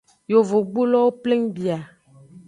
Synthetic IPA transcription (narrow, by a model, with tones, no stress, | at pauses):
jo˨vo˨ɡ͡bu˦lɔ˦wo˦ple˦ŋbi˨a˨